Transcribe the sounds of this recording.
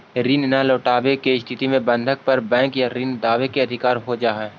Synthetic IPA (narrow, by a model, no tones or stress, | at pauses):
ɾiːnɪnaloːʈaːbekeɪst̪ʰɪt̪imẽbə̃nd̪ʱək̚pɐɾbɛ̃ːŋkjaɾiːnd̪aːʋekeɐd̪ʱɪkaːɾɦod͡ʒaːɦɛː